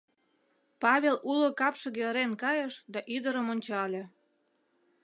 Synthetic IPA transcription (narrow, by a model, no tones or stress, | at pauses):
pɑβʲelʔulokɑpʃɤ̆ɣelɾenkɑjəʃd̪ɑʔyd̪əɾəmonʲt͡ɕɑlʲe